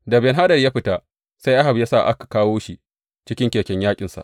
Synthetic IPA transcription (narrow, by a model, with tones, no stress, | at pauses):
dɐ˨bɛ˨nɦa˦ɗɐ˨jaː˦ɸɪ˦ta˦ | sa˦jʔa˦ha˨bjaː˦sa˦˨ʔa̰˦kḁ˨kaː˦woː˦ʃi˦˨ | t͡ʃɪ˦kʲɪ˦ŋkʲeː˨kʲɛ˦ɲjaː˦kʲʼɪ˨nsa̰˨ʔ